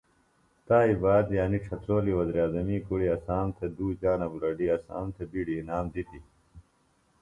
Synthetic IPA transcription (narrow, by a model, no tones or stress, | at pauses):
t̪aːibaːd̪jaːniʈ͡ʂʰɐt̪ɾoːliwɐziɾjaːzɐmiːkuɽiɐsaːmt̪ʰed̪uːd͡ʑaːnɐbuɾɐɖiɐsa̰ːmt̪ʰebiɖiːnaːmd̪it̪i